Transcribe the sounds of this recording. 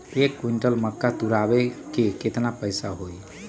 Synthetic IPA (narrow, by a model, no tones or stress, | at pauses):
ekːwiɳʈəlməkːat̪uɾabekeket̪napəjsaɦoj